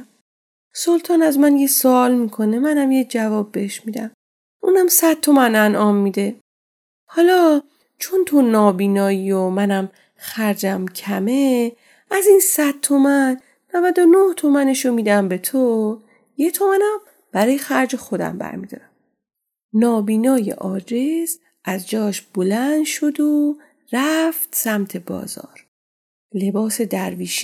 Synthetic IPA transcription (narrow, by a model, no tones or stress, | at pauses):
so̞lt̪ʰɒːnæzmænjesoɒːlmiːkʰo̞ne̞mænæmjed͡ʒævɒːbːeheʃmid̪æm | ʔuːnæmsæd̪̚t̪ʰːo̞mænænʔɒːmːiːd̪e̞ | hɒːlɒː | t͡ʃʰont̪ʰonɒːbiːnɒːjiːjomænæm | xæɾd͡ʒæmcʰæme | æzinsæd̪̥̚t̪ʰomænː | ævæd̪o̞noht̪ʰomæne̞ʃomiːd̪æmbe̞t̪ʰo | jet̪ʰomænæm | b̥æɾɒːjexæɾd͡ʒexo̞d̪æ̰mbæ̰ɾmid̪ɒ̰ːɾæm | nɒːbiːnɒːje̞̰ʔɒːdez | ʔæzd͡ʒɒːʃb̥olænd̪ʃo̞d̪o | ɾæft̪sæmt̪ʰe̞bɒ̰ːzɒ̰ːɾ | le̞bɒːse̞d̪æɾviːʃ